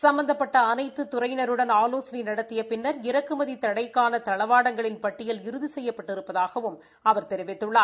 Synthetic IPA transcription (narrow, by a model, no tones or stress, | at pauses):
sɐmbɐnd̪ɐpːɐʈːɐːnɐɪt̪ːɯt̪ʊɾɐɪnɐɾɯɽɐnaːloːsɐnɐnɐɽɐt̪ːɪjɐpɪnːɐɾɪɾɐkːɯmɐðit̪ɐɽɐɪkːaːnɐt̪ɐɭɐʋaːɽɐŋɡɐɭɪnpɐʈːɪjɐlɪɾɯðisɛjːɐpːɐʈːɪɾɯpːɐðaːɣɐʋɯm | ɐʋɐɾt̪ɛɾɪʋɪt̪ːɯɭːaːɾ